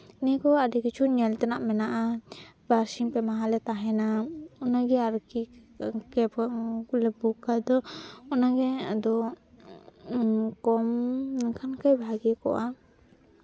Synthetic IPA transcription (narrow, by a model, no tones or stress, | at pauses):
nɛkɔadɛkit͡ʃʰuɲɛlt̪ɛnaʔmɛnaʔabaɾsimpɛmaɦalɛt̪aɦɛnaɔnaɡɛaɾki | kɛblɛbukajd̪ɔɔnaɡɛad̪ɔ | kɔmnakʰankajbʱaɡɛkɔ̰ʔa